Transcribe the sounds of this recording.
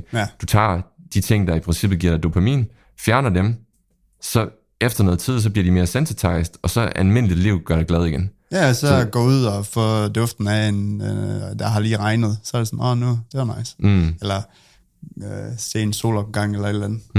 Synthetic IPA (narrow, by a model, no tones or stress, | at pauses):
æd̥ut͡sʰɑ̰̈ːd̥it͡sʰe̝ŋ̰d̥ɑ̈ipʰʁensib̥ð̩ˠɡḭɐ̰̥ɑ̈ɪd̥opʰæmḭːn | fjæɐnɐd̥em | sɒ̽ | efd̥ɐnɔ̽ðˠt͡sʰið̞̰ˠs̬ɒ̽b̥liɐd̥ime̝ːɐsænset͡sʰɑ̈ɪsd̥ɒ̽sɒ̽ælme̝n̰lid̥liʊ̰ɡ̥ɶɐɾ̥ɑɡ̥lɛð̞ˠiɡ̥en | jæsɒɡ̥ɔuð̞̰ˠɒfɔd̥ɔ̽fd̥n̩æen | d̥ɑ̈ɦɑ̈liːʁɑ̈ɪnəð̞̩ˠsɒ̽ɐd̥esɒmɔ̰nud̥e̝ɐnɑ̈ɪ̰s̩elɐ | øse̝̰ːenso̝̰ːlɒb̥̩ɡ̥ɑ̈ŋ̰elɐe̝d̥lænð̩ˠ